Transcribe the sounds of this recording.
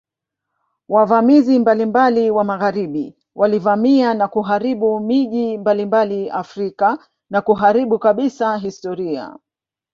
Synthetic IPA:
wavamizimbalimbaliwamaɣaɾiɓi | wʔalivamianakuɦaɾiɓumiʄimbalimbaliʔafɾika | nakuɦaɾiɓukaɓisaɦistɔɾia̰

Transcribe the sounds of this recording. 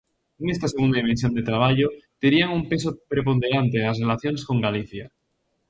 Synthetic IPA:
eŋest̪ase̞und̪aðime̞ns̬jo̞nd̪et̪ɾaβ̞aʎot̪eɾiaŋumpe̞s̬opɾepo̞nd̪eɾant̪e̞asrelaθjonesko̞ŋɡaliθja

